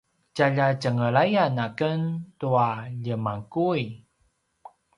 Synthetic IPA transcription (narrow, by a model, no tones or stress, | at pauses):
caʎacəŋəɭajanakəntuaʎəmaŋkuj